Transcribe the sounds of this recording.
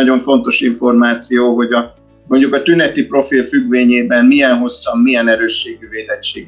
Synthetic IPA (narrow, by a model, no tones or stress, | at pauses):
ɒɟo̞ɱfo̞n̪t̪o̞ʃiɱfo̞rmaːt̪sijoːɦo̞ɟɒ | mo̞ɲɟukɒt̪ynɛt̪ipro̞filfyɡveːɲeːbɛnmmijɛnɦo̞sːɒmːijɛnɛɾøːʃːeːɡyveːlɛt͡ʃːḛːɡ